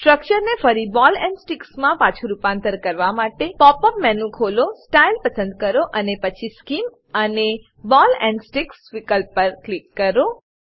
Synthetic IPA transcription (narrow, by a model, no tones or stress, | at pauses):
sʈɾək̚t͡ʃəɾnefəɾibɔlɛ̃ɳɖsʈiksmãpãt͡ʃʰuɾupãnt̪əɾkəɾʋamaʈepɔpəmmɛnũkʰolosʈailpəsə̃nd̪kəɾoʔənepət͡ʃʰiskim | əne | bɔlɛ̃ɳɖsʈiksʋikəlppəɾklikːəɾo